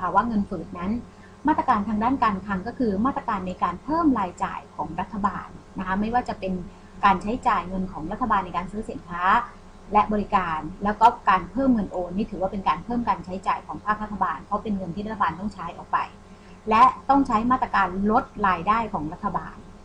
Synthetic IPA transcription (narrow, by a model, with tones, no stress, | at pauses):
a˧˩waː˥˩ŋɤ˧nfɯː˨˩t̪̚na˦˥n | maː˥˩t̪ɾa˧kaː˧nt̪ʰaː˧ŋdaː˥˩nkaː˧nkʰa˧ŋkɔː˥˩kʰɯː˧maː˥˩t̪ɾa˧kaː˧nːa˧jkaː˧npʰɤː˥˩mɾaː˧jt͡ɕa̰ː˨˩jkʰɔ̰ː˩˦ŋɾa˦˥t̪ʰːa˧baː˧nːa˦˥kʰa˦˥ma˥˩jwaː˥˩t͡ɕa˨˩pe˧n | kaː˧nt͡ɕʰa˦˥jt͡ɕaː˨˩jŋɤ˧nkʰɔː˩˦ŋɾa˦˥t̪ʰːa˧baː˧nːa˧jkaː˧nsɯː˦˥si˨˩˦nkʰaː˦˥ | lɛ˦˥bɔː˧ɾi˦˥kaː˧nlɛː˦˥wkɔː˥˩kaː˧npʰɤː˥˩mŋɤ˧nʔoː˧nːiː˥˩t̪ʰɯː˩˦waː˥˩pe˧nkaː˧npʰɤː˥˩mkaː˧nt͡ɕʰa˦˥jt͡ɕa̰ː˨˩jkʰɔ̰ː˩˦ŋpʰaː˥˩k̚ɾa˦˥t̪ʰːa˧baː˧npʰɔ˦˥pe˧nŋɤ˧nt̪ʰiː˥˩ɾt̪ʰːabaː˧nt̪ɔ˥˩ŋt͡ɕʰa˦˥jʔɔ̰˨˩k̚pa̰˧j | lɛ˦˥t̪ɔ˥˩ŋt͡ɕʰa˦˥jmaː˥˩t̪ːɾa˧kaː˧nlo˦˥t̪̚ɾaː˧jdaː˥˩jkʰɔː˩˦ŋɾa˦˥t̪ʰːa˧ba̰ː˧n